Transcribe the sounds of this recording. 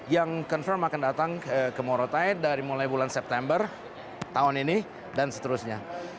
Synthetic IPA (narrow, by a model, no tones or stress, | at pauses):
jaŋkɔnfərmakandat̪aŋəkəmoɾot̪aɪt̪̚daɾimulajbulansɛp̚t̪ɛmbər | t̪aʊnini | dansə̥t̪əɾusɲa